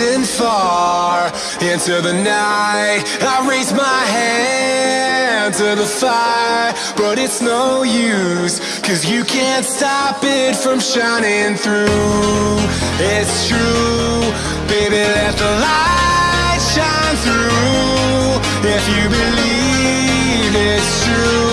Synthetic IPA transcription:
ɪ̃nfɑɹ | ɪ̃ntʰɨðɨnaɪɪɾ | aɪɹeɪzmaɪɦæ | ntʰɨðəfaɪə˞ | b̥ʌɾɪtsnoʊjʉs | kʰʌzjɨkʰæ̃ntstɑpɪtfɹʌ̃mʃãɪ̃nɪ̃ŋθɹu | ɪtstʰɹ̥u | b̥eɪbiðɨt̪̚ðəla | tʃãɪ̃nθɹu | ɪfjɨbɨli | vɪtstʰɹ̥u

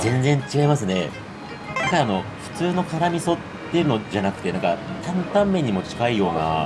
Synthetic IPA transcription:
zẽ̞nd͡zẽ̞ɲt͡ɕiɡaimasɨne̞ | d̪akaano̞ɸɯ̟̥t͡sɨːno̞kaɾamʲiso̞t̪ːe̞jɯ̟no̞d͡ʑanakɯ̟̥e̞nãŋkat̪ãnt̪ãmːẽ̞ɲ̟ːimo̞t͡ɕi̥kaijo̞ːna̰

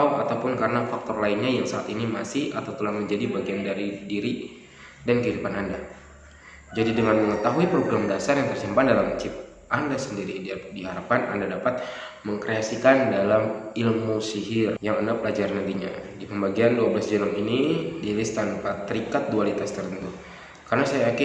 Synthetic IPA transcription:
wat̪awpʊnkarənafak̚t̪ɔrlainɲajaŋsaːt̪inimasɪhat̪awt̪əlahməɲd͡ʒadibaɡiandaɾidiɾi | dankəidupananda | d͡ʒadidəŋanməŋət̪aɦuipɾoɡɾamdasarjaŋt̪ərsimpandalamt͡ʃɪp̚ | ʔandasəndiɾididiɦaɾapanʔa̰ndadapat̪̚ | məŋkɾeasikandalamilmusiɦɪrjaŋənapəlad͡ʒarnant̪iɲadipəmbaɡianduablasd͡ʒɛnɔminidilist̪anpat̪ːəɾikat̪̚dualit̪ast̪ərt̪ənt̪u | karnasajaakɪ

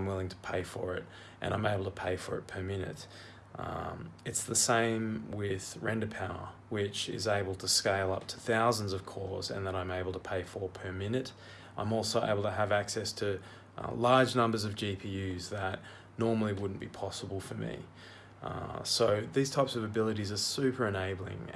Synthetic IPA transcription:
ɪ̃mwɪlˠɪ̃ŋtʰə̥pʰeɪfə̰˞ɪ̰ɾ | ʔɨ̰̃ñʔãɪ̃meɪbl̩ˠtʰəpʰeɪfə˞ɨ̰t̚pʰə˞mɪ̃nɨ̰t | ɨtsðɨsẽɪ̃mwɪð̥ɹɛ̰̃ndɨpʰaʊə̰˞ | wɪt͡ʃɪ̰zeɪbl̩ˠtʰɨskeɪlˠʌ̰p̚tʰə̥θaʊzn̩zʌv̥kʰɔɹzɨ̰̃nðəɾãɪ̃meɪbl̩ˠtʰəpʰeɪfə˞pʰə˞mɪ̃nɨɾ | ʔãɪ̃mɔlˠsoʊʔḛɪbl̩ˠtʰɨəvæksɛstʰɨ | lɑɹd͡ʒnʌ̃mbə˞zʌvd͡ʒipʰijʉzðətⁿ | nɔɹml̩ˠiwʊdⁿn̩b̥ipʰɑsəbl̩ˠfə˞mḭ | soʊðiz̥tʰaɪpsʌvɨbɪlˠəɾizə˞sʉpʰə˞ɨ̃neɪbl̩ˠɪ̰̃ŋ

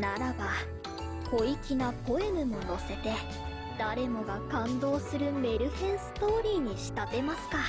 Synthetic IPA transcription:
naɾaba | ko̞ikʲinapo̞e̞mɯ̟mo̞no̞se̞t̪e̞ | d̪aɾe̞mo̞ɡakãnd̪o̞ːsɨɾɯ̟me̞ɾɯ̟hẽ̞ɰ̃sɨ̥t̪o̞ːɾʲiːɲ̟iɕi̥t̪at̪e̞masɨ̥ka

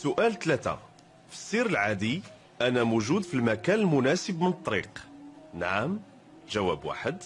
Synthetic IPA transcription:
sʊʔælt̪læt̪æ̰ | fə̥sˤːiɾəlʕad̪i | ʔænæmuʒud̪filmækænəlmʊnæsəbmənət̪ˤːɑɾḭqnʕəm | ʒæwæbwa̰ħəd̪

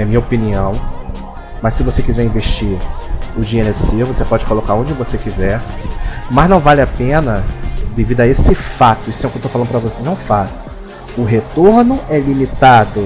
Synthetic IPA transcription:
ɐmĩɲɐopiniɐ̃w̃ | mɐsːɪvosekizɛɾĩveʃt͡ʃiɾʊd͡ʒienesivosepɔd͡ʒɪkolokaɾõd͡ʒɪvosekizɛɾmɐznɐ̃w̃valɪapẽnɐd̪evid̪ɐesɪfat̪ʊisʊɛwkewt̪ofalɐ̃d̪ʊpɾɐvosejzɛũfat̪ʊ̥ | ʊɦet̪oɾnʊɛlimit̪ad̪ʊ

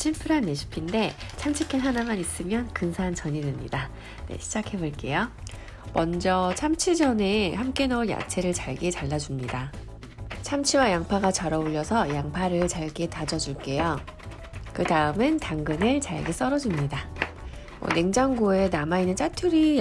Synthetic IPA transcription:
t͡ɕʰimpʰɯɾɦanːeɕʰi̥pʰinde̞t͡ɕʰamt͡ɕʰikʰenɦanamanis͈ɯmjʌnkɯnsʰant͡ɕʌɲidɯmɲḭda | ne̞̰ɕʰid͡ʑakʰe̞boɭk͈e̞jo | mʌnd͡ʑʌt͡ɕʰamt͡ɕʰid͡ʑʌne̞hamk͈e̞nʌja̰t͡ɕʰe̞ɾɯɭt͡ɕaɭɡe̞t͡ɕaɭːad͡ʑumɲida | t͡ɕʰamt͡ɕʰiwajaŋpʰaɡat͡ɕaɾʌoʎːʌsʰʌjaŋpʰaɾɯɭt͡ɕaɭɡe̞tad͡ʑʌd͡ʑuɭk͈e̞jo | kɯdaɯmɯntaŋɡɯnɯɭt͡ɕaɭ̰ɡe̞s͈ʌɾʌd͡ʑumɲida | mwʌ̰ne̞ŋd͡ʑaŋɡoe̞namainːɯnt͡ɕ͈atʰuɾi

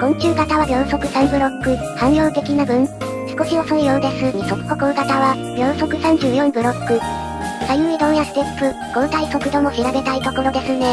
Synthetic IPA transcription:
ɡ̥õ̞ɲkʲɨːɡat̪aβabʲjõ̞ɰ̃so̞kɯ̟sãmbɯ̟ɾo̞kːɯ̟ | hãɰ̃jo̞ːt̪e̞kʲinabɯ̟̃ŋ | sɨ̥ko̞ɕio̞soijoːd̪e̞sɨɲ̟iso̞kɯ̥ko̞kɯ̟ɯ̟ɡat̪aβa | bʲjõ̞ɰ̃so̞kɯ̟sãɲ̟d͡ʑɨːjõ̞mbɯ̟ɾo̞kːɯ̟ | sajɯid̪õ̞ɰ̃jasɨ̥t̪e̞pːɯ̟ | ɡ̥õ̞nt̪aiso̞kɯ̟d̪o̞mo̞ɕiɾabe̞t̪ait̪o̞ko̞ɾo̞d̪e̞sɨne̞

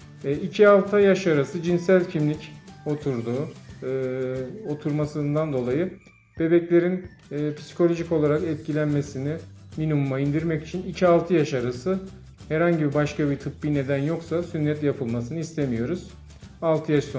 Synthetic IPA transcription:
icʰialˠt̪ʰajaʃaɾasɯd͡ʒinsælʲcʰimlʲico̞t̪ʰuɾd̪uː | o̞t̪ʰuɾmasɯnd̪and̪o̞lˠajɯ | b̥e̞bɛclʲe̞ɾinː | pʰi̥si̥kʰo̞lʲo̞ʒico̞lˠaɾakɛt̪̚cʰilʲænme̞sinɪ | minimumaind̪iɾmɛci̥t͡ʃʰinicʰialˠt̪ʰɯjaʃaɾasɯ | hɛɾhaɲɟibibaʃkabit̪ʰɯpːine̞d̪ænjo̞ksasynːɛt̪japʰɯlˠmasɯnɯist̪ʰe̞mijo̞ɾuz̥ | alˠt̪ʰɯjaʃso

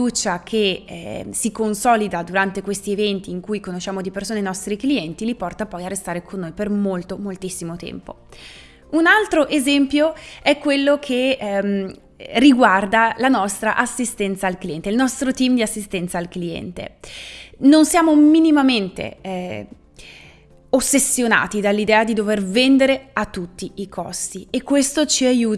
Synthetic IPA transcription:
fiuːt͡ʃak̟ʰḛ | sikonsɔlid̪ad̪uɾant̪ekwest̪ievɛnt̪iːŋkujkonoʃːaːmod̪ipersoːnenɔst̪ɾikliɛnt̪ilipɔrt̪apɔjarːest̪aːɾekʰonːojpermolt̪omolt̪isːimot̪ɛ̰mpo | unalt̪ɾoʔezɛmpjoɛkːwelːokʰem | riɡward̪alanɔst̪ɾa̰ʔasːist̪ɛnt̪saːlklijɛnt̪eilnɔst̪ɾot̪imd̪iasːist̪ɛnt̪saːlkliɛ̰nt̪ḛ | nonsjaːmominimament̪ḛ | osːesːjona̰ːt̪id̪alːid̪ɛːad̪id̪overvend̪eɾeat̪ːut̪ːiːkʰɔ̰st̪iekːwest̪ot͡ʃiajuː

